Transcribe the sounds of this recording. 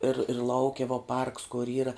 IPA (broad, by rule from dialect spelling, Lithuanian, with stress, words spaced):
ɪr ɪr ˈlˠɐʊkʲɛ ʋɐ pɐrks kʊr ˈiːrɐ